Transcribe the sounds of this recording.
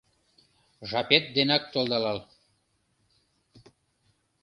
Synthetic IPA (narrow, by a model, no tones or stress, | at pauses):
ʒɑpet̪̚d̪enɑk̚t̪olˠd̪ɑlɑl